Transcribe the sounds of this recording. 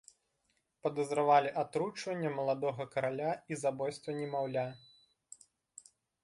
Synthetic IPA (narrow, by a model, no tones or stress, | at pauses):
pɐd̪ɐzɾavalʲiʔat̪ɾut͡ʂvɐnʲːɐmɐlˠad̪ɔɣɐkɐɾalʲaizabɔjst̪vɐnʲɛmawlʲa